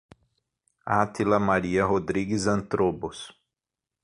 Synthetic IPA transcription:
at̪ilɐmaɾiɐɦod̪ɾiɡɪzɐ̃nt̪ɾobʊs

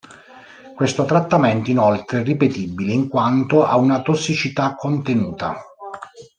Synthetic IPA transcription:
kwest̪ot̪ɾat̪ːamɛnt̪oinolt̪ɾeɛrːipet̪ibːileiŋkwant̪oʔa̰unat̪osːit͡ʃit̪akːont̪enuːt̪a̰

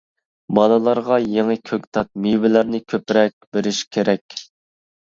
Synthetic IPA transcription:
bɑnɨlˠɑɾʁɑjeŋɨkʲʰøk̚ʲt̪ʰɑt̪̚miwɪlæɾnɪkʲʰøpɾɛk̚ʲbeɾɪʃkʲʰeɾɛkʲ

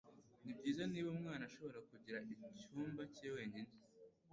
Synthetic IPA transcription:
nibɟiːzaniːβomŋaːnaʃo̞βo̞ɾakuɟiɾaʔicuːmbaceːwe̞ːɲine

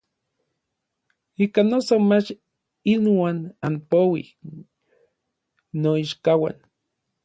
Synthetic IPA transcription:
ikanosomat͡ʃ | inwaːnanpowḭ | noiʃkawa̰n

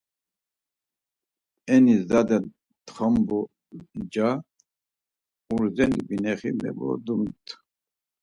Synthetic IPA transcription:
ɛnizd̪ad̪ɛn | t̪χəmbu | d͡ʒa | uɾzɛnibinɛχimɛ̰bɔ̰d̪umt̪ʰ

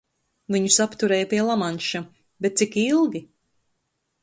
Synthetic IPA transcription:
viɲusapt̪uɾɛjapiɛlˠamanʃa | bɛt̪̚t̪sikilˠɡʲi

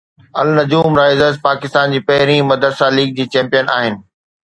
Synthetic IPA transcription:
ɐlnɐd͡ʑuːmɾaːɪzəzpaːkɪst̪aːnd͡ʑiːpɐɦɪɾĩmɐd̪əd̪saːliːɡ̚d͡ʑiːt͡ɕɛ̃ːmpijənaːɦɪnɪ̆

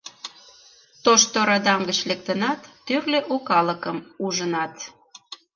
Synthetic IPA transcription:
t̪oʃt̪oɾɑd̪ɑŋɡət͡ɕlek̚t̪ənɑt̪ːørleʔokɑləkəmuʒənɑt̪

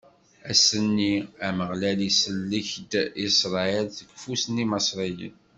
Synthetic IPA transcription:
æsənːiæməʁlælisəlːiçd̪isɾˤɑelθəɡfusəniməsɾˤijə̰n

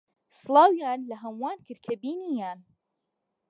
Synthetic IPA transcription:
sɨlˠɑːwjaːnlɐɦɐmwaːnkɨɾkʰɐbiːnijaːn

